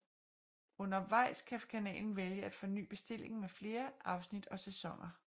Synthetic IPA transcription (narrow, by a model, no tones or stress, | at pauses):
ɔ̽nɐʋɑ̈ɪ̰skʰækʰænɛ̰ːln̩ʋeljəæd̥fɒ̽ny̰ːb̥e̝sd̥e̝l̰e̝ŋn̩mefle̝ːɐʔɑ̈ʊsnid̥ɒ̽sesɒ̽ŋɐ